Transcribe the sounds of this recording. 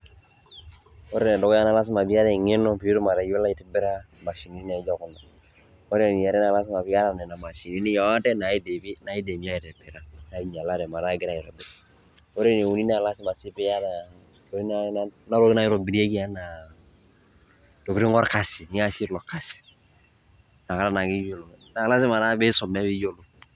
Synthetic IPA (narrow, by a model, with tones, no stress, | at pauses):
o˦ɾe˦˨nɛ˨dɔ˨ka˦na˦la˦s̬ɪ˦ma˨bi˦a˦ɾɛ˨ŋɪ˦nɔ˦pi˨u˦tu˦ma˨ɾa˨ju˦la˦i˨tɪ˦bɪ˦ɾa˦ | ma˨ʃi˨ni˦i˦n˦a˨˦d͡ʒɔ˦kʊ˨na˨ | o˦ɾe˦˨ni˨ja˨ɾɛ˦na˨la˦s̬ɪ˦ma˨bɪ˦ja˦ɾa˨nɛ˨na˨ma˨ʃi˨ni˦ni˦jɔ˨˦a˦tɛ˦na˨˦de˨bi˦na˨˦i˦de˨mi˦a˦i˨tɛ˨bɪ˨ɾa˦na˨˦ɲ˨a˨la˦ɾɛ˨ma˨a˦ɡɪ˦ɾa˨ɪ˨ɾɔ˨bɪ˨˦ɾ | o˦ɾe˦ne˨u˨ni˦n˦a˨la˦sɪ˦ma˨sɪ˦pɪ˦ja˦na˨ | o˦i˦na˦na˦ɾo˦i˦na˦jɪ˦ɾo˨bi˨ɾi˦e˦ki˦a˦na˨ | to˨ki˨ɾi˦ŋɔ˦ɾka˨si˨ni˨˦ŋa˦si˦lɔ˨ka˦si̥˨ | na˨ka˦ɾa˦˨na˨ki˦jo˦˨lo˨na˨la˦sɪ˦ma˨na˦bɪ˦sɔ˨mɛ˦bi˦jo˦lo˨